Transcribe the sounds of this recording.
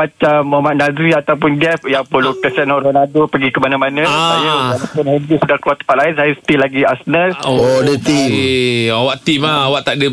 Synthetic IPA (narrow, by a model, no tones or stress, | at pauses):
mat͡ʃamːɔmaʔ̪̚nadɾiat̪awpʊndɛfjaŋpəlukəsanɔɾonadopəɡikəmanãmanə̃ajəalapʊnhɛndɾisudahkluat̪ːə̥paʔlaɪnsajəsə̥t̪ilaɡiasnərdət̪i | awaʔt̪imaawaʔt̪aʔdə